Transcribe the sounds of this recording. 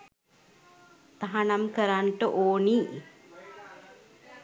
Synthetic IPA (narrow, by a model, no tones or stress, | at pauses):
t̪ɐɦanɐmkəɾaɳʈəʔoːni